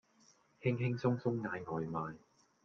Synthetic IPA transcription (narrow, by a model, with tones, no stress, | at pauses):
hɪ˥ŋhɪ˥ŋsʊ˥ŋsʊ˥ŋːaː˨˧jŋɔː˨jmaː˨˧j